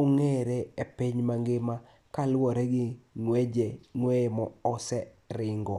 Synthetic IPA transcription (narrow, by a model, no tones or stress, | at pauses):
oŋeɾeepiɲmaŋɡɪma | kalwɔɾɛɡɪŋwed͡ʒeŋwemɔɔsɛ | ɾɪŋɡɔ